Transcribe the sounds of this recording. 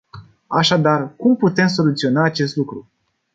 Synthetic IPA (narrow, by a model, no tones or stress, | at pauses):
aʃad̪arkumput̪e̞ms̬o̞lut̪sio̞naːt͡ʃe̞st̪lukɾu